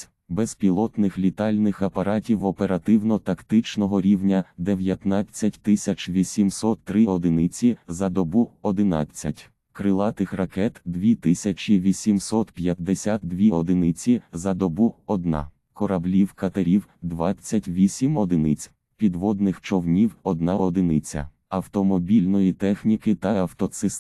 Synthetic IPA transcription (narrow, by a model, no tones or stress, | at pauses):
bɛzpʲilˠɔt̪nɪxlʲit̪ɑlʲnɪxɐpɐɾɑtʲiwɔpeɾɐt̪ɪwnɔt̪ɐkt̪ɪt͡ʃnɔɦɔɾʲiwnʲɐd̪eʋjɐt̪nɑt͡sʲːɐtʲt̪ɪsʲɐt͡ʃʋʲisʲimsɔt̪ːɾɪɔd̪ɪnɪt͡sʲizɐd̪ɔbuɔd̪ɪnɑ̰t͡sʲːɐtʲ | kɾɪlˠɑt̪ɪxrɐkɛt̪d̪ʋʲit̪ɪsʲɐt͡ʃiʋʲisʲimsɔt̪pʲjɐt̪d̪esʲat̪̚d̪ʋʲiɔd̪ɪnɪt͡sʲizɐd̪ɔbuɔd̪nɑ̰ | kɔɾɐblʲiwkɐt̪ɐɾʲiwd̪ʋɑt͡sʲːɐtʲʋʲisʲimɔd̪ɪnɪt͡sʲ | pʲid̪ʋɔd̪nɪxt͡ʃɔwnʲiwɔd̪nɑɔd̪ɪnɪt͡sʲɐ̰ | ɐwt̪ɔmɔbʲilʲnɔjit̪ɛxnʲikɪt̪ɐɐwt̪ɔt̪sɪs